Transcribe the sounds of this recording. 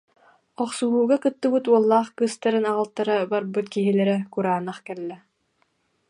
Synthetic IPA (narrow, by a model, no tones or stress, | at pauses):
ɔχsuɦuːɡakɯt̪ːɯbɯt̪uɔlˠːaːχkɯst̪aɾɯnaʁɯlˠt̪ːaɾabaɾbɯt̪kiɦilɛɾɛkuɾaːnːaχkɛlːɛ